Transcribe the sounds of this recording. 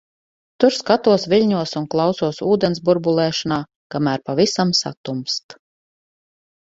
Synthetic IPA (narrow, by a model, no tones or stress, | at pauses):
t̪uɾskat̪uɔsviʎʲɲuɔsunklˠawsuɔsuːd̪ɛnsbuɾbulˠɛːʃanaː | kamæːɾpavisamsa̰t̪umst̪